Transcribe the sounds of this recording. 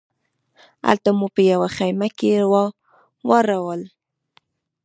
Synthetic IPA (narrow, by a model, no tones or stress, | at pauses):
a̰lt̪amupəjawaxajmakewɑ | waɾawəl